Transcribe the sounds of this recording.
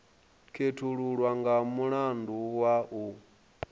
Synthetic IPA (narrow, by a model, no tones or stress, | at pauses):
kʰetʰuɺuɺwaŋɡamuɺanduwaʔu